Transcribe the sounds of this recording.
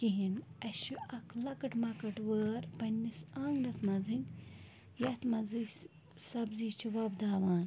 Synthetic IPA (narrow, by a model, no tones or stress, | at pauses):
kiɦinɐʃuɐkʰlɐkɐʈmɐkɐʈwəːɾpɐnʲːisaːŋɡɾɐsmɐzinʲ | jɐt̪mɐzɨ | sɐbziːt͡ʃʰiʋɐbd̪aːʋaːn